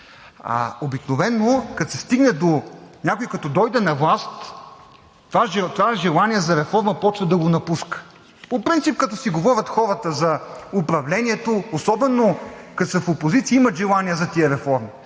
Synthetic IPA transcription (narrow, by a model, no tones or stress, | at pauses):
a̰obiknovɛnːokɐt̪sɛst̪iɡnɛd̪onʲjakoikɐt̪ɔd̪ɔjd̪ɛnɐvlˠast̪ | vaʒɛt̪vaɛʒɛlˠaniɛzɐɾɛfɔɾməpɔt͡ʃvɐd̪ɐɡonɐpuskə̥ | popɾint̪sip̚kɐt̪ɔsiɡovɔɾʲɐt̪xɔɾət̪əzɐʊpɾɐvlɛnʲiɛt̪oːsɔbɛnokɐt̪sɛfopozit̪siəimɐt̪ʒɛlˠanʲiəzɐt̪iəɾɛfɔɾmi